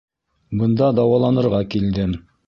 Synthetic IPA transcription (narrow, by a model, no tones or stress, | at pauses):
bɤ̆nd̪ɑd̪ɑwɑlˠɑnɤ̆ɾʁɑkild̪ɘ